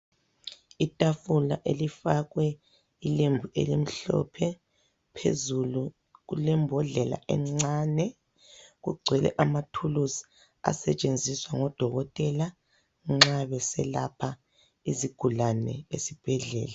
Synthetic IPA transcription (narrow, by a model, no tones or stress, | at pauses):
itʼafula̰ʔelifaɣwɛ | ilembʱuʔḛlim̩ɬɔ̰pʰɛ | pʰḛzulu | ɣulɛmbʱɔɮɛla̰ʔɛ̰ŋ͡ǁaːnɛ | ɣṵɡ͡ǀʱwɛlɛ̰ʔamatʰulusi̥ | a̰sɛt͡ʃʼend͡zʱiswaŋɔd̥ʱɔɣɔtʼɛla | ŋ͡ǁaβɛsɛla̰pʰa | iziɡ̥ʱulanɛ̰ḛsib̥ʱɛɮɛ̰ːla